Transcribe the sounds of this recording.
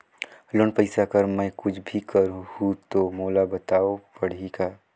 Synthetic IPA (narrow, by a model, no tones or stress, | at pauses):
loːnpəɪsakəɾmɛ̃kʊt͡ʃʰbʱikəɾũhũt̪omoːlabɐt̪aːopɐɽ̤ika